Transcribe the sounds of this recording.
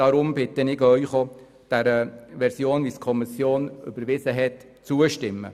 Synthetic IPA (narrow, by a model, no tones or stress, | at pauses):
ɑɾʊmb̥ɪt̪ənɪkœɥχɔ | d̥æɾəʋɛɾsjoːnʋiskʰɔmisjoːnʏ̰bəɾʋɪsəɦɛt | t͡suəʃtɪmːə̰